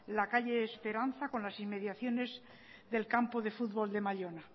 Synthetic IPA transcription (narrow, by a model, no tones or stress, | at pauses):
lakaʎe̞ːspe̞ɾanθako̞nlasimːe̞ðjaθjo̞ne̞z | ðe̞lkampoðe̞fud̪̚βo̞ld̪e̞maʎona